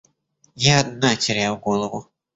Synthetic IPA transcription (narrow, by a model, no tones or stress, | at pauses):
jaːd̪natʲɪɾʲajwɡɔlˠəvʊ